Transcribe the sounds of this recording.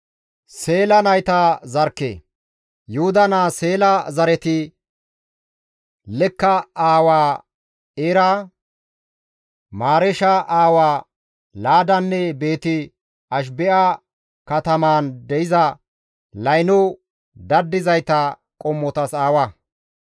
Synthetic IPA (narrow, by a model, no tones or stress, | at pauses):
se̞ːlɐnɐjt̪ɐzɐɾkːḛː | jʊhʊd̪ɐnase̞ːlɐzɐɾɛt̪ɪ | lɛkːɐaːwaː | eɾa | maːɾɛʃɐʔaːwaː | laːd̪ɐnːɛbe̞ːt̪ɪ | ɐʃ̬bɛʔa | kɐt̪ɐmaːnd̪ɛɪzɐ | lɐjnɔ | d̪ɐd̪ːɪzɐjt̪ɐ | kʼɔmːɔt̪ɐsaːwɐ